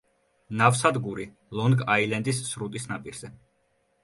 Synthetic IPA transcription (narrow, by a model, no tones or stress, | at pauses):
nafsad̪ɡuɾi | lˠɔnɡailɛnd̪isːɾut̪ʼisnapʼiɾz̥ɛ